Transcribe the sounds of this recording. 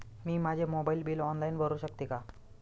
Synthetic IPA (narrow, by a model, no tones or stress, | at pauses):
miːmad͡ʑʱemobaiːlbiːlɔnlainbʱəɾuːɕək̚t̪ika